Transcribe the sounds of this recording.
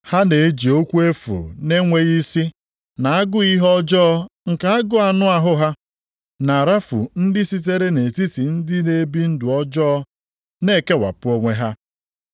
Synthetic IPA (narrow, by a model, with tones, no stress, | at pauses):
ha˦ne˨e˦d͡ʒi˨o˦kʷu˦e˦fṵ˨ne˦ŋʷe˦ɣi˦si˦ | na˨a˦ɡʊ˦i˦ɦɔ˦d͡ʒɔ˦ŋ̩˨ka˨a˦ɡʊ˦a˨nʊ˦a˨ɦʊ˦ɦa˦ | na˨ɾa˦fṵ˨n̩˦dɪ˦si˦t̬e˦ɾe˦ne˨ti˦si˨n̩˦dɪ˦ne˦bi˦n̩˦dʊ˨ɔ˦d͡ʒɔ˦ɔ˦ | ne˦˨ke˦wa̰˨pʊ˦o˦ŋʷe˦ɦa˦